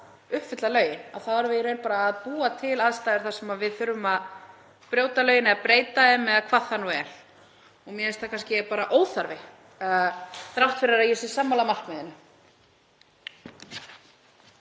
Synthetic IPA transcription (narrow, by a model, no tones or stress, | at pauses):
ʏhpfʏt̪lalœːɥjɪna̰wθavaɾvɪɾejnpaːɾaːðpuːat̪ʰɪlaðst̪aːjðɪɾ̥θaɾ̥sɛmaðvɪðθʏɾːʏmað | pɾjoːwt̪alœːɥjɪnaapɾeːjt̪aɛmːɛðakʰvaðhanːuɛɾ̥ | ɔɣmjɛɛst̪akʰanscɪpaːɾaʔoːwθaɾvɪ | θɾawht̪fɪɾɪɾaðjɛsɪsaːmːalamar̥kmɛðɪnʏ